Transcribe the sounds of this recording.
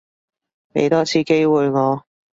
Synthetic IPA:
mḛ˨˧jt̪ɔː˥t͡sʰiː˧ke˥jwuː˨˩jŋɔː˨˧

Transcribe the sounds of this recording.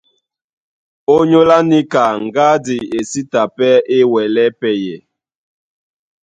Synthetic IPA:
o˦ɲo˦la˦ni˦ka˨ŋ̩˨ɡa˦di˨e˨si˦ta˨pɛ˦e˦wɛ˨lɛ˦pɛ˦jɛ˨

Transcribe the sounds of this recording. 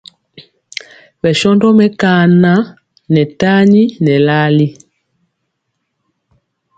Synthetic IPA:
bɛ˨ʃɔ˦ndɔ˦mɛ˦ka˨na˦ | nɛ˨ta˦ɲi˦nɛ˨la˦li˦

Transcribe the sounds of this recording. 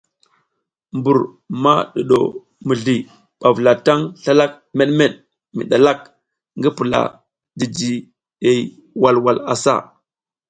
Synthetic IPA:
mbu˨ɾ | ma˦ɗu˨ɗo̰˨ | mi˨ɮi˨ | ɓ̥a˨vla˨ta˦ŋɬa˦la˦k̚me˦ɗme˦ɗ | mḭ˨ɗa˨la˦k̚ | ŋɡi˦pu˨la̰˨ | di˨d͡ʒi˨ | e˨j | wa˨lwa˨la̰˨sa̰˦˨

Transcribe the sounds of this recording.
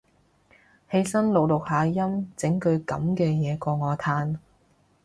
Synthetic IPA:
he˧jsɐ˥nlo˨˩wlʊ˨k̚haː˨˧jɐ˥mt͡sɪ˨˥ŋkɵ˧ɥkɐ̰˨˧˥mkɛː˧jɛː˨˧kɔː˧ŋɔː˨˧t̪ʰaː˧n

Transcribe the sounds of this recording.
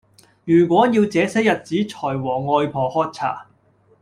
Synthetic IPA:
jyː˨˩kʷɔː˨˥jiː˧wt͡sɛː˨˥sɛː˥jɐ˨t̚t͡siː˨˥t͡ʃʰɔː˨˩jwɔː˨˩ŋɔː˧jpʰɔː˧hɔː˥t̚t͡sʰa̰ː˨˩

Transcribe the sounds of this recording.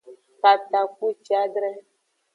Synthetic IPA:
pa˨t̪a˨ku˦t͡ʃa˦ɡɾɛ˦

